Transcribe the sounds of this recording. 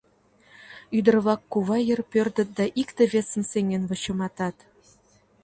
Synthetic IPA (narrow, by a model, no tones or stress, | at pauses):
yd̪ə̆rβɑkːuβɑjɤ̆rpʲørd̪ə̆t̪̚d̪ɑʔikt̪ĕβʲesə̆nseŋʲenβɤ̆t͡ɕɤ̆mɑt̪ɑt̪